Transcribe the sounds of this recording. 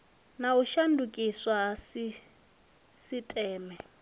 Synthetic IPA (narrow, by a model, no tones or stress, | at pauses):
nauʃandʱukʼiswasi | sitʼɛːmɛ